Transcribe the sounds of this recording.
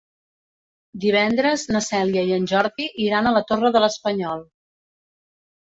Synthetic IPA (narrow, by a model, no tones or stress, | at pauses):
d̪iβ̞ɛnd̪ɾəznəsɛljəiənʲʒɔɾðiʔiɾanələt̪orəðələspəɲɔlˠ